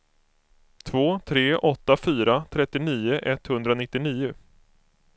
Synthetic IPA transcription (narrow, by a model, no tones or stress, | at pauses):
t̪ʰvoːt̪ʰɾeːʔɔt̪ːafyːɾat̪ʰɾɛt̪ːɪniːʊʔɛt̪ːhɵnd̪ɾanɪt̪ːɪniːʊ